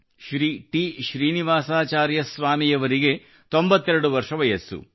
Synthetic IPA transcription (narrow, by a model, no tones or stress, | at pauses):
ʃɾiːʈiʃɾiːniʋaːsaːt͡ʃaːɾjɐsʋaːmijɐʋɐɾiɡe̞ | t̪o̞mbɐt̪ːeɾɐɽuʋɐɾʂɐʋɐjɐsːṵ